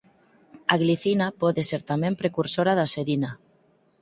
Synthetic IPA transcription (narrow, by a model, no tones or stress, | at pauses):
aɣliθinapoðeseɾt̪amẽmpɾekuɾsoɾaðaseɾina